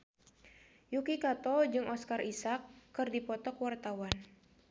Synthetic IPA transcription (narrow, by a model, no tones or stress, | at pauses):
jukikat̪ɔd͡ʒɨŋʔɔskarisakːɨrdipɔt̪ɔkwart̪awan